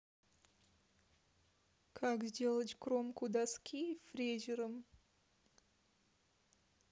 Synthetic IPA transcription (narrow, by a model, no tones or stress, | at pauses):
kʰakzʲdʲe̞lˠətʲkɾomkʊd̪askʲʰijfɾʲezʲɪɾəm